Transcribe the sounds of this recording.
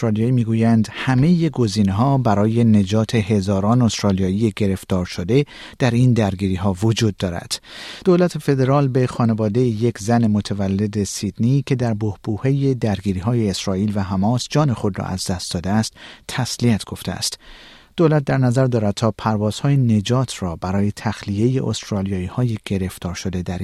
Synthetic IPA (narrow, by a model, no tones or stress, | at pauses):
osɾɒlijɒːimiːɡuːjænd̪hæme̞je̞ɡo̞ziːneɦɒːbæɾɒːje̞ne̞d͡ʒɒːt̪ʰe̞he̞zɒːɾɒːnost̪ɾɒːlijɒːije̞ɟe̞ɾe̞ft̪ɒːɾʃo̞d̪e̞ | d̪̥æɾind̪æɾɡiːɾiːɦɒːvod͡ʒuːd̪̚ːɒːɾæ̰d̪̥d̪̥olæt̪ʰe̞fe̞d̪e̞ɾɒːlbe̞xɒːne̞vɒːd̪e̞jeje̞kʰzænemo̞t̪ʰævælːe̞d̪e̞sid̪niːcʰe̞d̪æɾbohb̥uːhe̞je̞d̪æɾɡiːɾiːɦɒːje̞ːsɾɒːiːlvæɦæmɒːsd͡ʒɒːne̞xo̞d̪rɒ̰ʔæ̰zd̪æst̪̚d̪ɒːd̪eæst̪ʰːæsliæt̪ʰɡ̥o̞ft̪eæ̰st̪ | d̪̥olæt̪̚d̪æɾnæzæɾd̪ɒːɾæd̪̚t̪ʰɒːpʰæɾvɒːz̥hɒːjene̞d͡ʒɒːt̪ʰrɒːbæɾɒːje̞t̪ʰæxlije̞jeʔo̰st̪ɾɒːlijɒːiːhɒːjeɡ̥e̞ɾe̞ft̪ʰɒːɾʃo̞d̪e̞d̪æɾ